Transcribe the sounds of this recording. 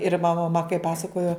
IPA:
ɪr mɐˈmɐ mɐ kɐɪ ˈpɑːsɐkoːjoː

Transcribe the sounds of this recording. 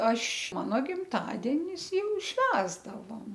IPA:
ˈɐʃ ˈmɑːnoː ɡʲɪmˈtɑːdʲiɛnʲɪs ˈjɛʊ ˈʃʲʋʲæːzdɐʋoːm

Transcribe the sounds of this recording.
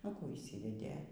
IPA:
nʊ ˈkuː ɪʃʲˈsʲiːʋʲɛdʲeː

